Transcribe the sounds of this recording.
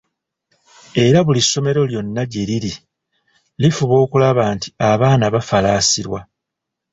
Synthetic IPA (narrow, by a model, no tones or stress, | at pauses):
e̞ɾaβulisːo̞me̞ɾo̞ljo̞nːaɟe̞liɾi | lifuβo̞ːkulaβaːnti̥aβaːnaβafalaːsiɾwa